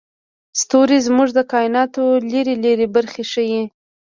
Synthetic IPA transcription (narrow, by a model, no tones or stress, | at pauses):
st̪oɾizmuʐd̪əkɑɪnɑt̪oleɾeleɾebaɾxeʂəji